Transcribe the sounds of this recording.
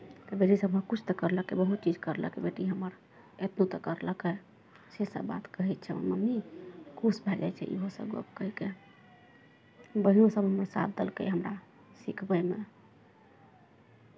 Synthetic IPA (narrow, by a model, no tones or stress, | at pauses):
t̪əbeʈisəbɦəkut͡ʃʰt̪ɔkəɾləkebəɦut̪̚t͡ʃid͡ʒkəɾlə̰kebeʈiɦəməɾ | et̪not̪ɔkəɾləke | sesə̰bba̰t̪kəɦɛt̪̚t͡ʃʰɛo̰nməmːikusbʱɛd͡ʒa̰jt͡ʃʰɛ̰ʔḭɦosə̰bə̰bkəɦike | bəɦijõsəbʱɦəməɾsa̰bʰd̪əlkḛjɦəmɾa | sikʰbəjmḛ